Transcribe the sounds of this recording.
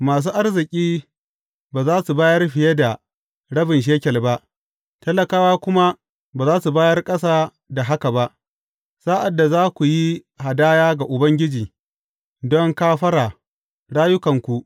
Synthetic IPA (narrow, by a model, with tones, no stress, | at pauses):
maː˨s̬uː˦ʔa˦rzɪ˨kʲʼiː˦ | baː˨zaː˦su˨baː˦jɐ˦rɸɪ˨je˦da˨ | ɽɐ˦bɪ˨nʃ̬eː˦kʲɛ˨lba˦ʔ | tɐ˦lːɐ˨kaː˦waː˦kʷʊ˦ma˦ | baː˨zaː˦su˨baː˦jɐ˦rkʼɐ˦saː˦ | da˨ɦa˦ka˨ba˦ʔ | saː˦ʔa˨dːa˨zaː˦kʷu˨ji˦ | ha˨daː˦jaː˦ɡa˨ʔʊ˨bɐ˦ŋɡʲɪ˦d͡ʒiː˨ | dɔ˦ŋkaː˦ɸɐ˦ɽaː˨ | ɽaː˦jʊ˦kɐ˨ŋkʷu˨ʔ